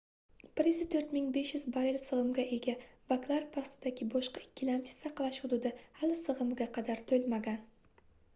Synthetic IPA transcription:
pɾɪzɪt̪ʰɵɾt̪mɪŋbe̞ʃjʏzbaɾɪlsɨʁɨmɡʲaʔe̞ɡʲabaklˠaɾpʰast̪ʰɪd̪aɡʲɪbɒʃqɑɪkʲːɪlamt̪ʰɪ̥saqlˠaʃhʊd̪ʊd̪ɪhalˠɪsɨʁɨmɪɡʲaqʰɑd̪aɾt̪ʰɵlmaɡʲan

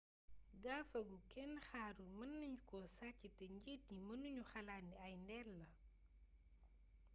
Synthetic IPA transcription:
ɡaːfɐɡukɛnxaːɾumɐnːɐɲukɔsacːitɛɲɟit̚ɲimɐnuɲuxɐlaːnːiɐjndɛlːɐ

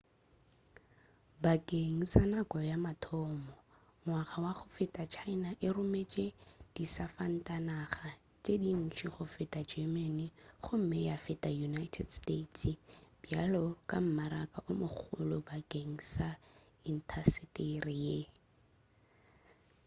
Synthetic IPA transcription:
bakʼeŋ̩sanakʼɔjamatʰɔmɔ | ŋwaχawaχʊfɪtʼat͡ʃʰainaʔɪrʊmet͡ʃʼed̥isafan̩tʼanaχa | t͡ʃʼedin̩t͡ʃʰiχʊfɪtʼad͡ʒɛmaniχʊm̩mɛjafɪtʼajunaitʰɛ̰dstetʰb̥jalɔkʼam̩maɾakʼaʔʊmʊk͡xʰʊ̰lʊbakʼeŋ̩sa | in̩tʰasɪtʼerɪje

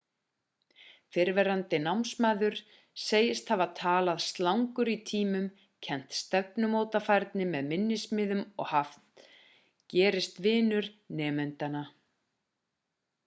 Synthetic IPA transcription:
fɪɾvɛɾant̪ɪnawmnsmaːðʏɾ̥ | seːjɪst̪havat̪ʰaːlaðst̪lawŋkʏɾit̪ʰiːmʏm | cʰɛn̥t̪st̪ɛpnʏmoːwt̪afajɾt̪nɪmɛðmɪnːɪsmɪːðʏmɔ̰ɣhaft̪ | cɛːɾɪst̪vɪːnʏɾnɛːmɛnt̪ana

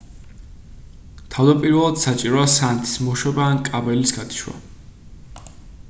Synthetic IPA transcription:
t̪ʰavd̪apʼiɾvɛlˠad̪̥sat͡ʃʼiɾɔasant̪ʰi̥smɔʃwɛbaːnkʼabɛlisɡad̪ʰi̥ʃwa̰

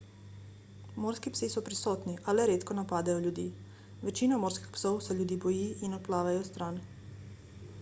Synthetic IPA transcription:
moːɾskipsisɔpɾisɔːt̪niʔalɛɾeːt̪kɔnapaːd̪ajɔljud̪iː | ʋɛt͡ʃiːnɔmoːɾskixpsowsɛljud̪iːbɔjiːʔinɔt̪̚plaːʋajɔst̪ɾan

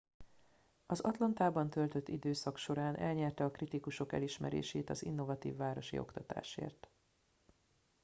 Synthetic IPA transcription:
ɒzɒt̪lɒnt̪aːbɒnt̪ølt̪ø̞t̪ːid̪øːsɒkʃo̞ɾaːnʔɛ̰lɲɛrt̪ɛɒkrit̪ikuʃo̞kɛ̰liʃmɛɾḛːʃeːt̪ɒzinːo̞vɒt̪ḭːvːaːɾo̞ʃḭo̞̰kt̪ɒt̪a̰ːʃḛːrt̪

